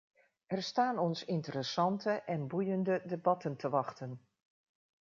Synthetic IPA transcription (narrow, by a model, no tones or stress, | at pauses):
ʔɛrstaːnɔnsɪntəɾəsɑntʰəʔɛnbujəndədebɑtəntʰəʋɑxtən